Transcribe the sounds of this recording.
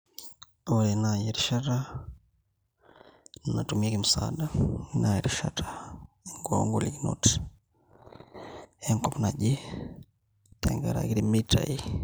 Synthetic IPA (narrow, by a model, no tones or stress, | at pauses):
oɾɛnajɛɾiʃata | nnatumiakimusa̰ɗainʔajɛɾiʃa̰tḁ | iŋɡɔŋɡolikino̰ti̥ | ɛŋkɔpunaʄi | tɛ̰ŋɡaɾa̰kiɾimitʰa̰i